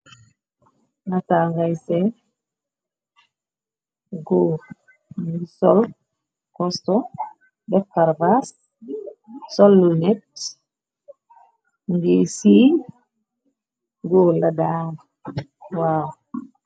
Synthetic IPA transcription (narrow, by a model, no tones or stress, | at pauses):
nataŋɡajsɛ | ɡo | ŋɡisɔl | kɔstɔ | dɛfkaɾbas | sɔlːunɛt̚ | ŋɡisi | ɡoladaːn | waw